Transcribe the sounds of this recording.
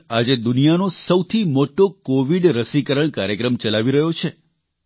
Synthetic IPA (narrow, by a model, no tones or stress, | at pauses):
ad͡ʒed̪ʊnijanosəwt̪ʰimoʈokoʋiɖɾəsikəɾəɳkaɾjəkɾəmt͡ʃəlaʋiɾəɦjot͡ʃʰe